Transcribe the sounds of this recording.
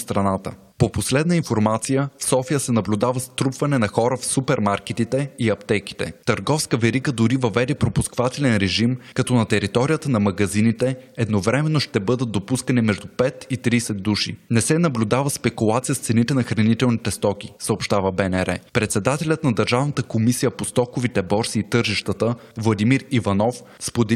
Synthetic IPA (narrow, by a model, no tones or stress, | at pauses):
st̪ɾɐnat̪ə̰ | poposlɛd̪nəinfoɾmat̪sijəfsɔfijəsɛnɐblʲud̪avəst̪ɾupvɐnɛnɐxɔɾəfsupɛɾmaɾkɛt̪it̪ɛiɐpt̪ɛk̟i̥t̪ɛ̰t̪əɾɡɔfskəvɛɾiɡəd̪ʊɾivɐvɛd̪ɛpɾopuskvat̪ɛlɛnɾɛʒimkɐt̪ɔnɐt̪ɛɾit̪ɔɾijət̪ənɐmɐɡɐzinit̪ɛɛd̪novɾɛmɛnːoʃt̪ɛbɤd̪əd̪opuskənɛmɛʒd̪upɛt̪it̪ɾiːsɛd̪ːuʃḭnɛsɛnɐblʲud̪avəspɛkulˠat̪sijəst̪sɛnit̪ɛnɐxɾɐnit̪ɛlˠnit̪ɛst̪ɔk̟ʲisəopʃt̪avəbɛnɛɾɛpɾɛt̪sɛd̪at̪ɛlʲət̪nɐd̪əɾʒavnət̪əkomisijəpost̪ɔkovit̪ɛbɔɾsiːt̪ɤɾʒiʃt̪ət̪əvlˠɐd̪imiɾivɐnɔf | spod̪ɛ